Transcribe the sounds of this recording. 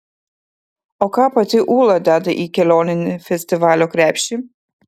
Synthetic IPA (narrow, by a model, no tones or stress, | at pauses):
ɔkapat̪ʲiʔuːlˠad̪ad̪ɨʔikʲɛlʲɔnʲɪnifʲɛsʲt̪ʲivalʲɔkɾʲæpʲʃi